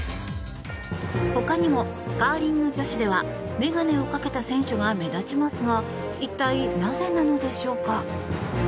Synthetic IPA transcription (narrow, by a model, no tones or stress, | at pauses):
ho̞kaɲ̟imo̞ | ɡ̥aːɾʲĩnːo̞d͡ʑo̞ɕid̪e̞βa | me̞ɡane̞o̞kake̞t̪asẽ̞ɰ̃ɕo̞ɡame̞d̪at͡ɕimasɨɡa | it̪ːainaze̞nano̞d̪e̞ɕo̞ːka